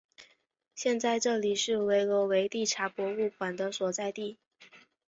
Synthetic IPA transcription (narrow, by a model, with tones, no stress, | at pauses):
ɕjɛ˥˧nt͡sa˥˧ɪʈ͡ʂɤ˥˩li˨˩ʂɻ̩˥˩we˧˥ɪlɔ˧˥we˧˥ɪt̪i˥˩ʈ͡ʂʰa˧˥pwɔ˧˥u˥˩kwa˨˩nd̪ə˦swɔ˨˩t͡sa˥˧ɪt̪i˥˩